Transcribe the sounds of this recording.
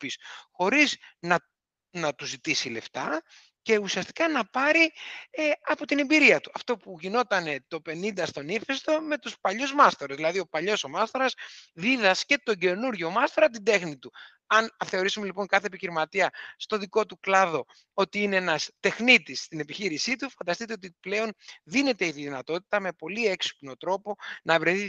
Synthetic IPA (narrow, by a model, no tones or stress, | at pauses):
pisxo̞ɾiznɐ | nɐt̪uzit̪isile̞̰ft̪ɐ | ce̞usiɐst̪i̥kɐnɐpɐɾieɐpo̞t̪ine̞mbiɾiɐt̪uɐft̪o̞puʝino̞t̪ɐne̞t̪o̞pe̞nind̪ɐst̪o̞nife̞st̪o̞me̞t̪uspɐʎuzmɐst̪oɾɐzðilɐðio̞pɐʎo̞so̞mɐst̪o̞ɾɐsðiðɐsce̞t̪o̞ɟe̞nuɾʝo̞mɐst̪oɾɐt̪ind̪e̞xnit̪u | ɐnɐθe̞o̞ɾisume̞lipo̞ŋkɐθe̞epiçiɾimɐt̪iɐst̪o̞ðiko̞t̪uklɐðo̞ | o̞t̪iineenɐst̪e̞xnit̪ist̪ine̞piçiɾisit̪ufɐnd̪ɐst̪it̪e̞o̞t̪iple̞o̞nðine̞t̪e̞iðinɐt̪o̞t̪i̥t̪ɐme̞po̞lieksi̥pno̞t̪ɾo̞po̞nɐvɾeθi